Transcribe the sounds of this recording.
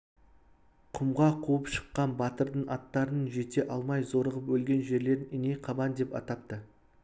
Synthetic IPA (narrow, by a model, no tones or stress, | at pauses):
qʰʊmʁɑqʰuəpʃə̥qːɑnbɑt̪əɾd̪əɴɑt̪ːɑɾənəɴʒe̞t̪e̞ʔɑlˠmɑjzo̞ɾəʁəpwɵlɡʲe̞nʒe̞ɾle̞ɾɪnɪnejqʰɑbɑnd̪e̞pɑ̰t̪ɑp̚t̪ə